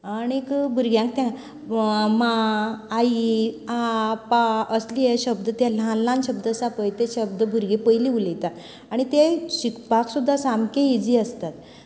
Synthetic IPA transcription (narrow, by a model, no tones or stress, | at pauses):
añikbʱuɾɡjãŋk̚t̪ã | maː | iapaəslieɕəbd̪ət̪jalãlːãnɕəbd̪əsapəjt̪eɕəbd̪əbʱuɾɡepəjliulet̪a | aɽ̃it̪eɕikʰpaksud̪ʱːasamkeid͡ziəst̪at̪